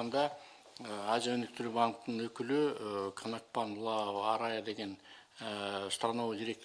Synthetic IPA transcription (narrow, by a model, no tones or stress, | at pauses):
ɑnd̪ɑ | ɑzʲjaɵnɪkt̪ɪɾubɑnkt̪əɴwɵkʲɪlɪkʰanak̚pɑnlˠɑɑɾɑjad̪e̞ɡʲe̞n | st̪ɾanɑwd̪iɾe̞kt̪